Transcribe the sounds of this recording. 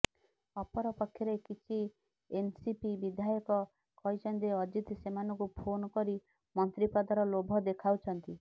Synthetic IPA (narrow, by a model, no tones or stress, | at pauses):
ɔpɔɾɔpɔkʰjɔɾekit͡ʃʰi | ensipibid̪ʱajɔkɔ | kɔɦit͡ʃʰɔnt̪̬iɔd͡ʒit̪semanɔ̃ŋkupʰonɔkɔɾi | mɔnt̪ɾipɔd̪ɔɾɔlobʱɔd̪ekʰawt͡ʃʰɔnt̪i